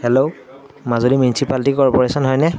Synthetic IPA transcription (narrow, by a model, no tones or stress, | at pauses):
hɛlo | mazolimjunisipaltikɔɹpɔɹesɔnɦɔjnɛ